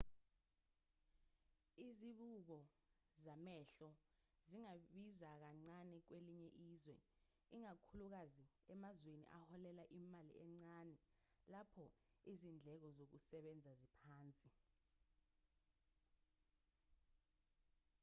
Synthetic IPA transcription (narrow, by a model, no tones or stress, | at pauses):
iziɓuk̬ɔ | zamɛɬɔ | ziŋaɓizak̬aŋ͡ǀanɛk̬weliɲɛʔiːzwɛ̰ | iŋakʰuluk̬azi | ɛmazwenḭʔahɔlɛlaʔimalḭɛŋ͡ǀanɛ | lapʰɔizind͡ɮʱɛk̬ɔzok̬usɛɓɛnd͡zʱazipʰaːnt͡sʼi